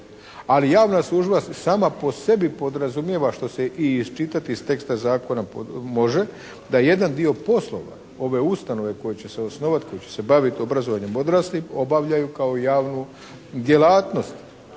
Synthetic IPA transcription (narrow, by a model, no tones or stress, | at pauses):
alijaːʋnaslˠuʒbasaːmapo̞se̞bipo̞d̪ɾazumje̞ʋaʃt̪o̞se̞ʔiːzt͡ʃit̪at̪ist̪e̞kst̪azaːko̞napmo̞ʒe̞ | d̪aje̞d̪and̪io̞po̞slˠo̞̰ʋa̰ | o̞ʋe̞ust̪ano̞ʋe̞ko̞jet͡ɕe̞seo̞sno̞ʋat̪ko̞jet͡ɕe̞̥se̞baʋit̪io̞bɾazoʋaɲe̞mo̞d̪ɾaːslio̞baʋʎajukao̞jaːʋnu | d̪ʲje̞laːt̪no̞st̪